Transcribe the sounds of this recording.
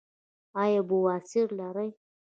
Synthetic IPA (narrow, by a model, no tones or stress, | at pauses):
ɑjabuwasɪɾlaɾaj